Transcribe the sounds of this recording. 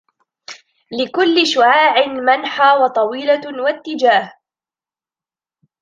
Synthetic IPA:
lɪkʊlːɪʃʊʕaːʕɪnmanħaːwɑt̪ˤɑwiːlawat̪ːɪd͡ʒaːh

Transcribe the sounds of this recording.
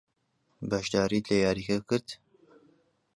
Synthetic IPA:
bɐʃd̪ɑːɾiːd̪lejaːɾikɛkɨɾd̪

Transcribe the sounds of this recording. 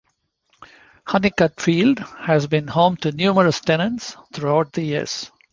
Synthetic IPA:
hʌnɪkʌʈfiːlɖhæzbĩnhõːmʈunjuːməɾəsʈɛnə̃nʈst̪ʰɾuaʊʈ̚d̪əjiəɾz̥

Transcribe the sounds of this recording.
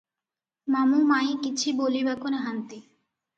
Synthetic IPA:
mamumajikit͡ɕʰibolibakoneɦant̪i

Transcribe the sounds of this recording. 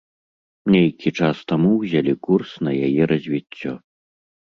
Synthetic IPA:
nʲejkʲit͡ʂast̪amuwzʲalʲikursnɐjajɛɾɐzʲvʲit͡sʲːɔ

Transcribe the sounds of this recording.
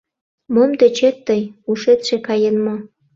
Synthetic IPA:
momd̪et͡ɕet̪ːəjuʃet̪ʃekɑjənmo

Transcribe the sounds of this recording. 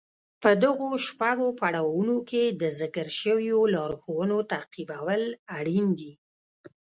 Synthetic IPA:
pəd̪aɣoʃpaɡopaɽɑwunoked̪əzɪkəɾʃəwjolɑɾxowənot̪aqibawəlaɽind̪i

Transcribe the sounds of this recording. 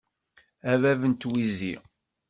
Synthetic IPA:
ævævənt̪wizḭ

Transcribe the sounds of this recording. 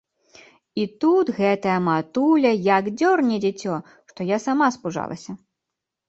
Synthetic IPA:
it̪ut̪ɣɛt̪ɐjɐmat̪ulʲɐjɐɡd͡zʲɔrnʲɛd͡zʲɛt͡sʲɔ | ʂt̪ɔjasamaspuʐa̰lˠɐ̰sʲɐ

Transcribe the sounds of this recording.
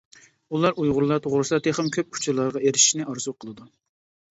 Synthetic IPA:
ulˠɑɾujʁʊɾlˠɑɾt̪ʰoʁɾɨsɑt̪ʰeχəmkʲʰøp̚kʰu̥t͡ʃʰuɾlˠɑɾʁɑeɾɪʃi̥ʃnɪʔɑɾzuqʰəlˠɨd̪u

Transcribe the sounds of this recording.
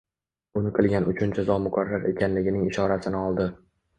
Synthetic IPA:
ʊnɪqʰɨlˠɡʲanʊt͡ʃʰʊnd͡ʒʰazɒmʊkʰaɾːaɾe̞̰kʲanlɪɡʲɪnɪŋɪʃɒɾasɪnɪɒlˠd̪ɪ

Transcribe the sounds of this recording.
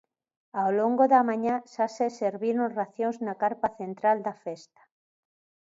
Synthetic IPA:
awloŋɡoðamãɲaʃaseseɾβiɾoŋraθjõŋznakaɾpaθent̪ɾald̪afest̪ḁ

